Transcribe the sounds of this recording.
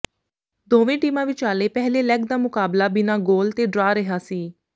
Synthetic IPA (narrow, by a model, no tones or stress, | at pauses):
d̪oːʋẽːʈiːmãːʋɪt͡ʃaːleːpɛːɦleːlɛɡ̚d̪aːmʊkaːblaːbɪnaːɡoːlt̪eːɖɾaːɾəɦaːsiː